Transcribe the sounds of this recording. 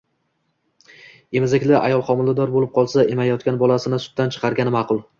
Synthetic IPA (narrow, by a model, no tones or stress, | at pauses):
e̞mɪzɪkʲlɪʔa̰jɒlˠqɒmɪld̪ad̪ɒɾbolɪp̚qʰɒlˠsaemajɒt̪kʲanbɒlˠasɪnɪsʊ̥t̪ːant͡ʃʰɨ̥qʰɑɾɡʲanɪmɑqʰʊlˠ